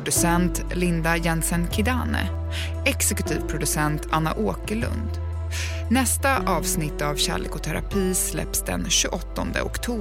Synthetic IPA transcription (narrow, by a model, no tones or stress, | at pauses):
d̪ɵsɛnt̪ | lɪnd̪ajɛnsɛnkʰɪd̪aːnə̰ | ɛksɛkɵt̪ʰiːvpʰɾʊd̪ɵsɛnt̪ʰanːaʔoːkəɭɵ̰nd̪ | nɛst̪aʔɑːvsnɪt̪ːavɕæ̰ːɭḛːkʊt̪ʰæɾa̰pʰiːslɛ̰psd̪ɛ̰nɕɵʔɔt̪ːɔnd̪ə̰ʊkt̪ʰuː